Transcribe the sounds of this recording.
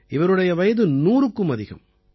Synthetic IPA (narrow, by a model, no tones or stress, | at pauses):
ɪʋɐɾɯɽɐjɐʋɐjɐðɯnuːɾɯkːɯmɐðɪɣɐ̰m